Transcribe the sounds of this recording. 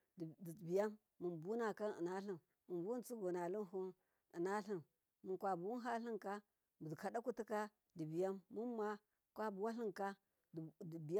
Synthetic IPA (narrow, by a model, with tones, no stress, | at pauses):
dbi˨ja˦mːu˨nbu˦na˨ka˦ni˨na˦ɬi˦m | mu˨nbu˦u˦t͡si˦ɡo˨na˨li˦n˦ɦu˦n | i˨na˦ɬi˦m | mu˨nkʷwa˨bu˨wu˦ɦa˦ɬi˦ŋka˦ | bu˨dka˨da˦ku˦ti˦ka˦ | di˨bi˨ja˦mːu˦ma˦ | kʷa˦bu˨wa˦ɬi˦ŋka˦˨ | bi˨˦